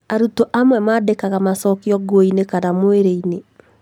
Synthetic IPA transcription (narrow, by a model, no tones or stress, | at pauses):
aɾutoʔamwɛmadekaɣamasɔkiɔɡoinekanamoeɾeine